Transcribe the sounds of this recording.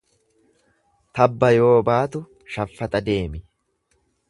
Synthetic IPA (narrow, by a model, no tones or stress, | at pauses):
t̪ɐbːɐjo̞ːbaːt̪ʊ | ʃɐfːɐt̪ʼɐd̪e̞ːmɪ